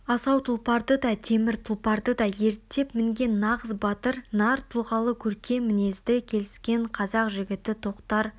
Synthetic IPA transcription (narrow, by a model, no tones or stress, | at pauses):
ɑsɑwt̪ʰʊlˠpɑɾd̪əd̪ɑt̪ʰe̞mɪɾt̪ʰʊlˠpɑɾd̪əd̪ɑje̞ɾt̪ːe̞pmɪŋɡʲe̞nːɑʁəzbɑt̪əɾnɑɾt̪ʰʊlˠʁɑlˠəkʲʰɵɾkʲe̞mɪne̞zd̪ɪkʲʰe̞lɪskʲe̞ɴqʰɑzɑqʒɪɡʲɪt̪ɪt̪ʰo̞qt̪ɑɾ